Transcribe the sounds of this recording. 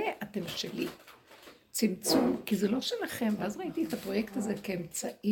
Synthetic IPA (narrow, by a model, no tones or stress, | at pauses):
eʔate̞mʃeli | t͡simt͡sumkizelo̞ʃelaχe̞mveazʁait̪ietapʁo̞je̞kt̪aze̞keemt͡saʔi